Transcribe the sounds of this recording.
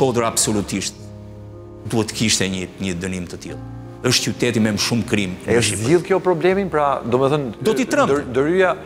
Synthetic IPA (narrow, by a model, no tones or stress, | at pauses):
ʃkɔd̪əɾabsɔlut̪iʃt̪ | d̪uɛt̪ːə̥kiʃt̪ɛɲəɲəd̪ənimt̪ət̪ilˠ | əʃt̪t͡ʃut̪ɛt̪imɛməʃumkɾimɛəʃipd̪ilˠkjɔpɾɔblɛminpɾad̪ɔmɛθənd̪ɔit̪ɾamd̪əɾyja